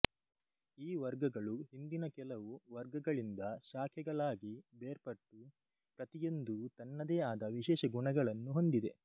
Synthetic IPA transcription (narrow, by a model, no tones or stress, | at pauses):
iːʋɐɾɡɐɡɐɭuɦind̪inɐkɛlɐʋuʋɐɾɡɐɡɐɭind̪ɐʃaːkʰɛɡɐɭaːɡibeːɾpɐʈːu | pɾɐt̪ijond̪ut̪ɐnːɐd̪eːaːd̪ɐʋiʃɛːʃɐɡuɳɐɡɐɭɐnːuɦo̞nd̪id̪e̞